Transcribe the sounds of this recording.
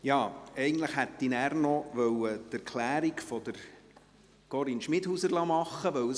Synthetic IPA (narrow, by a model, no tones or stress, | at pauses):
jɑːɛɪɡən̩t̪ləχhɛt̪ːinæːɾnɔʋœwət̪æɾkʰlæːɾikfɔd̥̪əɾ | ɡ̥ɔɾinʃmɪd̪huːsəɾlɑmɑχːəʋœw